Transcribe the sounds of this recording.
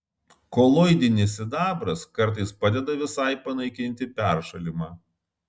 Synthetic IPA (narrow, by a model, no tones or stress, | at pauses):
kɔlˠɔɪd̪ʲɪnʲɪsʲɪd̪ɑːbɾɐskɐɾˑt̪̬ɐɪspɑːd̪ʲɛd̪ɐʋʲɪsɑˑɪpɐnɐɪkʲɪnʲt̪ʲɪpʲæˑɾʃɐlʲɪmɑː